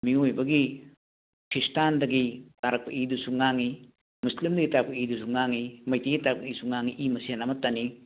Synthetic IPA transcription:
miojbɐɡi | kʰɾistandɐɡitaɾɐk̚pɐ̰ʔidusuŋaŋi | muslimdɐɡitaɾɐk̚pɐidusuŋaŋimɐjtiɡitaɾɐk̚pɐisuŋaŋiʔimɐsenamɐtɐni

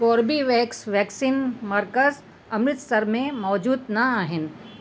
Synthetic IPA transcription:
kɔːɾbiʋɛːksʋɛːksiːnmɐɾkəz | ɐmɾɪt̪sɐɾmẽmɔːd͡ʒuːd̪nɐaːɦɪn

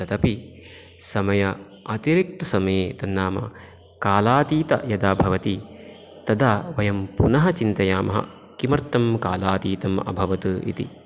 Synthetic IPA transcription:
t̪ɐt̪ɐpi | sɐmɐjɐ | ɐt̪iɾik̚t̪ɐsɐmɐjeːt̪ɐnːaːmɐ̰ | kaːlaːt̪iːt̪ɐ̰jɐd̪aːbʱɐʋɐt̪i | t̪ɐd̪aːʋɐjɐmpunɐɦɐt͡ʃint̪ɐjaːmɐɦɐ̰ | kimɐɾt̪ːɐmkaːlaːt̪iːt̪ɐmɐ̰bʱɐʋɐt̪uḭt̪ḭ

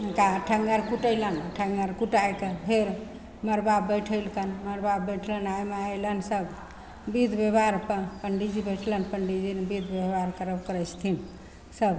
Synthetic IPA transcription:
kaʈʰəŋɡəɾkuʈəjlənʈʰəŋɡəɾkuʈajkəpʰeɾ | məɾbabːəjʈʰəjlkənməɾbabːəjʈʰlənajmeajlənsəb | bid̪bebaɾpəpəɳɖid͡ʒibəʈʰlənpəɳɖid͡ʒinbid̪ʱbebaɾkəɾəbkəɾət͡ʃʰt̪ʰin | səb

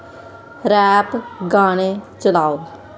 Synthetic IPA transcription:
ɾɛːpɡaːñet͡ʃəlaːoː

